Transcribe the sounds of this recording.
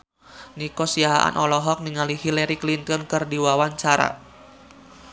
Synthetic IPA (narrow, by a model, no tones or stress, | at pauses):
nikɔsiaɦaʔa̰nʔɔlɔɦɔk̚niŋalihilɛɾiklint̪ɔnkɨrdiwawaɲt͡ʃaɾa̰